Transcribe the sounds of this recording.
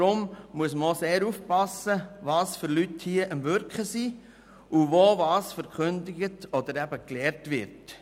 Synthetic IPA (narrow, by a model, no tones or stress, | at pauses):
ɾʊmmuəsməoseːɾufpɑsəʋɑːsfʏɾlythiəʔəmʋøɾkχəsi | uʋoːʋɑːsfəɾkʰχɵndɪɡətɔd̪əɾæbəklɛːɾtʋɪɾt